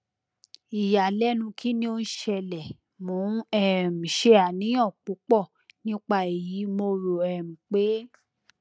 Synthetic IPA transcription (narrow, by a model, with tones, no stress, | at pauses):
i˨ja˨lɛ˦nũ˧kʰi˦nĩ˦o˧n̩˦ʃɛ˧lɛ˨ | mõ˨˦ɛ˦˨m̩˨ʃɛ˧˦a˨nĩ˨˦j̃ã˦˨k͡pu˨˦k͡pɔ˦˨ | nĩ˦k͡pa˧e˨ji˨˦mo˧ɾo˨ɛ˦˨m̩˨k͡pe˨˦